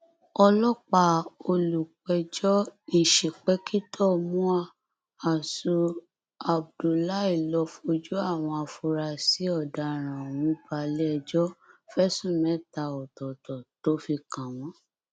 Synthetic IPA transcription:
ɔ˧lɔ˦k͡pa˧o˧lu˨k͡pɛ˧d͡ʒɔ˦i˨ʃi˨k͡pɛ˦kʰi˦tʰɔ˦˧mũ˦a˧ | a˨su˧ | a˨b̚du˧la˦i˦˨lɔ˧fo˧d͡ʒu˦a˦˨w̃ɔ̃˧a˧fu˧ɾa˧si˨˦ɔ˦˨da˨ɾ̃ã˨w̃ũ˨˦i˦ba˧lɛ˦ɛ˧d͡ʒɔ˦fɛ˦sũ˦˨mɛ̃˨˦˨ta˧ɔ˨tɔ˨tɔ˨to˨˦fi˧kã˨w̃ɔ̃˨˦

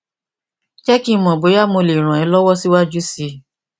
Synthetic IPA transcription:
t͡ʃɛ˦kĩ˦mɔ̃˨bo˨˦ja˦˨mo˧le˨ɾ̃ã˨ɛ˨˧˦lɔ˦wɔ˦si˦wa˦d͡ʒu˦si˧

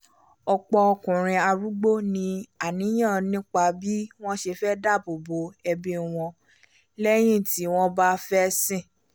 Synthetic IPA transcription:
ɔ˧k͡pɔ˧ɔ˧kũ˨ɾ̃ĩ˧a˧ɾu˦ɡ͡bo˦nĩ˧a˨nĩ˨˦j̃ã˦˨nĩ˦k͡pa˧˨bi˦w̃ɔ̃˦ʃe˧fɛ˦da˦˨bo˨bo˨˦ɛ˧bi˧w̃ɔ̃˧ | lɛ˦j̃ĩ˦˨ti˨˦w̃ɔ̃˦ba˦fɛ˦sĩ˦˨

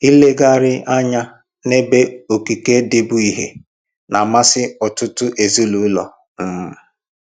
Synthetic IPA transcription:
i˦le˦ɡa˦˨ɾɪ˦ʔa˦ɲa˦ | ne˦be˦o˨ki˨ke˦de˦bʊ˦i˦ɦḛ˨ | na˨ma˦sɪ˦ɔ˨tʊ˦tʊ˦ʔe˨zi˦lu˨˦lɔ̰˨ | m̩˨m̩˦

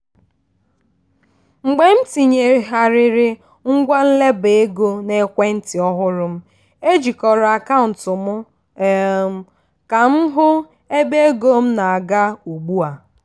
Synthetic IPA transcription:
ŋ͡m̩˨ɡ͡be˨n̩˦ti˨ɲe˨ɦa˨ɾɪ˨ɾɪ˨ | ŋ̩˦ɡʷa˦n̩˦le˦be˦ɡo˦ne˨˦kʷe˦n̩˦tɪ˨ɔ˦ɦʊ˦ɾʊ˦m̩˦ | e˦d͡ʒi˨kɔ˨ɾɔ˨a˨ka˦ʊ˨n̩˨tʊ˨mʊ˦˨ | ka˨m̩˦ɦʊ˦ | e˦be˦e˦ɡo˦m̩˦na˨a˨ɡa˦u˨ɡ͡bu˦a˨

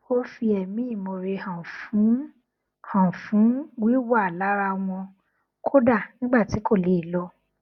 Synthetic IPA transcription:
o˦fi˧ɛ˨mĩ˨˦ĩ˦˨mo˨˧ɾe˧hã˨fũ˨˦ | hã˨fũ˨˦wi˦wa˦˨la˨˦ɾa˧w̃ɔ̃˧ | kʰo˦da˦˨nĩ˦ɡ͡ba˦˨ti˨˦ko˦˨le˨˦i˦˨lɔ˧

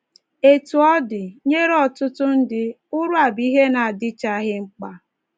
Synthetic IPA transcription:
e˦tu˨ɔ˦dɪ˨ɲe˦ɾe˦ɔ˨tʊ˦tʊ˦n̩˦dɪ˦ | ʊ˦ɾʊ˦a˨bi˦ɦe˦na˨a˨dɪ˦t͡ʃa˦ɣɪ˦ŋ͡m̩˦k͡pa˦

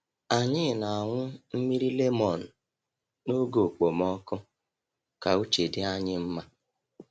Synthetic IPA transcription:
a˨ɲɪ˦˨na˨a˨ŋʷʊ˦m̩˦mi˦ɾi˦le˦mɔ˨n̩˨ | no˦ɡo˨k͡po˨mɔ˦kʊ˦ | ka˨u˦t͡ʃe˨dɪ˦a˦ɲɪ˦m̩˦ma˦

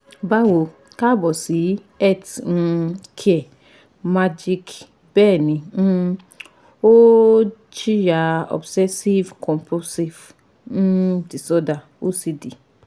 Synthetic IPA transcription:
ba˦wo˧˨ | ka˦˨bɔ˨si˨˦ | ɛ˦˨tñ̩˧kʰɛ˦˨ | ma˦d͡ʒi˦k | bɛː˦˨nĩ˨˧ñ̩˦ | o˦ | t͡ʃi˦ja˧˦ɔ̰˨bsɛ˦si˦vkʰɔ̃˨mpu˦si˦ṽ̩˦ | di˨sɔ˦da˨ | o˦si˧di˨

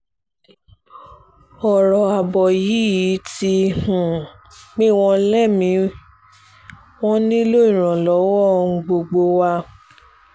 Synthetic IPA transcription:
ɔ˨ɾɔ˨a˨bɔ˨ji˨˦ji˨˦ti˦ũ˨ | mĩ˦w̃ɔ̃˧lɛ˦˨mĩ˧˦ | w̃ɔ̃˦nĩ˦lo˦ĩ˦˨ɾ̃ã˨lɔ˨˦wɔ˦˧ũ˧ɡ͡bo˧ɡ͡bo˧wa˧

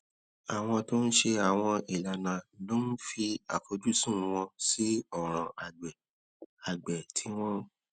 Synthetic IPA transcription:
a˨w̃ɔ̃˧to˦n̩˦ʃe˧a˨w̃ɔ̃˧i˨la˨nã˨˦lo˦n̩˦fi˧a̰˨fo˨˦d͡ʒu˦˨sũ˦˨˧w̃ɔ̃˧si˦ɔ˦˨ɾ̃ã˨a˨ɡ͡bɛ˨ | a˨ɡ͡bɛ˨tʰi˨˦w̃ɔ̃˦

